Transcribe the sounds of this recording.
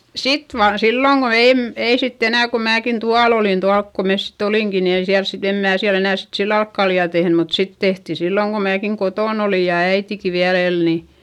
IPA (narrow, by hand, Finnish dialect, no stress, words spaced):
sit ʋɑːn silːoŋ ɡ̊o eˑm ei sitː enæˑ ko mæːkin tuɑl olin tuɑlk ko mes sit oliˑŋki ni ei siæls sit em mæː siæl enæˑ sit silːɑl olk kɑljɑˑ tehny mut sit tehti silːoŋ ko mæːkiŋ kotoˑn oliˑ jɑ æitiki ʋiæl el ni